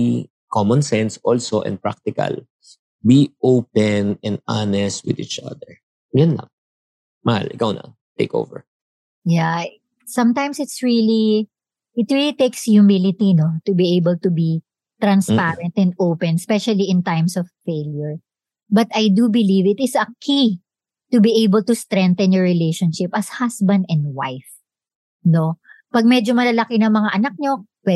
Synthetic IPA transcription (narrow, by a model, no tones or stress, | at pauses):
kʰɔmɔ̃nsɛnsɔlsoʔɛ̰̃nd̪̚pɹa̰k̚t̪ɪkɐ̰l | biʔowpɛnɛ̃nd̪̚anɛst̪̚wɪd̪ḭːt͡ʃa̰d̪ɛɹ | jʊnlɐ̰ŋ | mɐha̰lɪkawnɐ̰ | t̪ḛɪko̰wvɛ̰ɹ | ja | sɐ̃mt̪ãjmsɪt̪sɹili | ɪt̪ɹilit̪ejksjʊmɪlɪt̪inot̪ʊbiʔejbəlt̪ubi | t̪ɾɐ̃nspaɹɛnt̪ɛ̃nd̪owpɛ̃nspɛʃɐliɪ̃nt̪ajmsɔv̥feɪljɔɹ | bɐt̪ɐjd̪ubɪlivɪt̪ɪsɐkʰi | t̪ʊbiʔejbəlt̪ʊst̪ɾɛ̃nt̪ɛ̃njɔɹɹɪlejʃonʃɪpɐshasbɐ̃nd̪ɛ̃nd̪wajf | no̞pɐɡ̚mɛd͡ʒomɐlalɐkɪnɐŋmɐŋaʔɐnɐk̚ɲo̞pwɛ